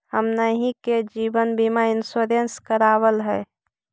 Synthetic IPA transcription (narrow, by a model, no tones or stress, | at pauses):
həmnəɦĩked͡ʒibənbimaɪnsoɾenskəɾaːwəlɦɛː